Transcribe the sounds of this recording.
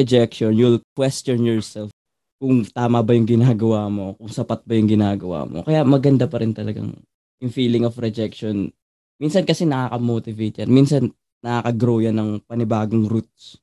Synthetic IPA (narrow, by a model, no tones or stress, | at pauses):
ɛd͡ʒɛk̚ʃonjʊlkwɛst̪onjɔɹsɛlf | kʊŋt̪aːmɐbɐjʊŋɡɪnaːɡɐwaːmo̞kʊŋsɐpat̪̚bɐjʊŋɡɪnaːɡɐwa̰ːmo̰kɐjamɐɡɐnd̪apɐɾɪnt̪ɐlɐɡa̰ŋ | jʊŋfiːlɪŋofɾɛd͡ʒɛk̚ʃon | minsɐnkɐsɛnɐkaːkɐmoːt̪ɪvejt̪̚jɐnminsɐn | nɐkaːkɐɡɾoːjɐnɐŋpɐnɪbaːɡoŋɾut̪̚s